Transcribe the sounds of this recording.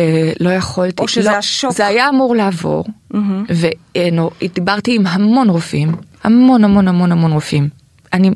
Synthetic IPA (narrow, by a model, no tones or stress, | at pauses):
elo̞jaχoltiloʃzeajaːmuʁleavo̞̰ʁ̩veenoid̪ibaʁtiːmɦamo̞nʁofimhamo̞nhamo̞nhamo̞nhamo̞nʁofim | ʔani